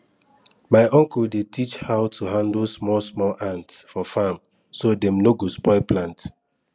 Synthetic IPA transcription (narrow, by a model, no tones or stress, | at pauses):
maɪʔɔ̃ŋkuldetʰit͡ʃhaʊtʰuɦãndlsmɔlsmɔlʔãntsfɔfam | sodɛ̃mnoɡospɔɪplãnt